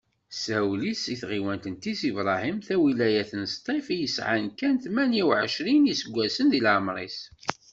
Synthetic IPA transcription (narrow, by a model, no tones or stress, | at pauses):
sæwlisiθʁiwænt̪ənt̪isivɾˤɑhimθæwilæjæθənst̪ˤifjəsʕa̰nkænθmænjiwʕəʃɾinisəɡʷːæsənðilaʕmɾˤḭs